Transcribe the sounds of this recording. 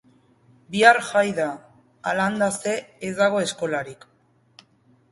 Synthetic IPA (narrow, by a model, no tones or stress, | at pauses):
biaɾʝajðaː | land̪ase̞ːzd̪aɣ̞o̞e̞sko̞laɾik